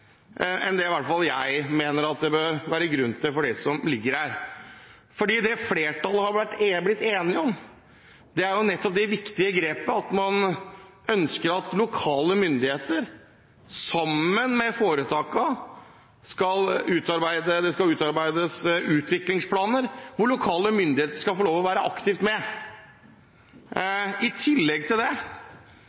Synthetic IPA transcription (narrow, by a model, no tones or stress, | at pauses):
ʔɛnd̪ɛɪʋæʈfɑljæɪmeːnəɾɑt̪̚d̪ɛbøɾʋæːɾəɡɾʉnt̪ʰɪlfɔɖɛsɔmlɪɡːəɾhæːɾ | fɔɖiːd̪ɛfleːʈʰɑlːəhɑɾʋæʈːblɪt̪ːeːnɪɔm | d̪ɛæɾjʊnɛt̪ːɔp̚d̪ɛʋɪkt̪ɪəɡɾeːpəɑt̪mɑn | œnskəɾɑt̪lʊkʰɑːləmʏnd̪ɪheːt̪əɾ | sɑmːənmɛfoːɾət̪ʰɑːkɑ | skɑlʉːt̪ɑɾbæɪd̪əd̪ɛskɑlʉːt̪ɑɾbæɪd̪əsʉːt̪ʋɪklɪŋspʰlɑːnəɾʋʊɭʊkʰɑːləmʏnd̪ɪheːt̪əʂkɑlfoloːʋɔʋæːɾəʔɑkt̪ɪft̪mɛ | ɪt̪ʰɪlːɛɡ̚t̪ʰɪld̪ɛ